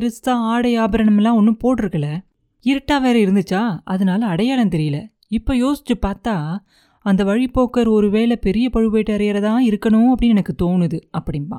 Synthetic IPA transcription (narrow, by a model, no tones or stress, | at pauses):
ɪɾɯst̪ãːaːɽɐjaːbɐɾɐnɐmɛlːãːɔnːɯpoːʈːɯɾɯkːɐɭːɐ | ɪɾɐʈːaːʋeːɾɐɪɾɯnd̪ɯt͡ʃːaːɐðɐnaːlɐːɽɐjaːlɐnt̪ɛɾɪjɐlɐ | ɪpːojoːsɪ̥t͡ʃːɯpaːɾt̪aː | ɐnd̪ɐʋɐɻipoːkɐɾɔɾɯʋeːlɐpɛɾɪjɐpɐɻɯpeːʈːɯɐɾɐjɾɐt̪ãːɪɾɯkːɐɳʊ̃ɐpːɐɽɪinɛnɐkːɯt̪oːnɯðɯɐpːɐɽɪnpa̰ː